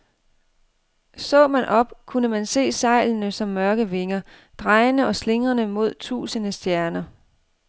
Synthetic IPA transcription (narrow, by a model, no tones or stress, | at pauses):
sɔ̰̽ːmænʔɒ̽b̥kʰunəmænse̝̰ːsɑ̈ɪ̰lnəsɒ̽mːɶɐɡ̥əʋe̝ŋɐ | d̥ʁɑ̈ɪnəʔɒ̽sle̝ŋʁɐnəmo̝ð̞̰ˠt͡sʰṵːsənəsd̥jæɐnɐ